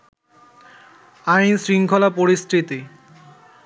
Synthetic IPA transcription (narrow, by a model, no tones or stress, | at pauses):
ajnsɾiŋkʰɔlapoɾisʈɾit̪i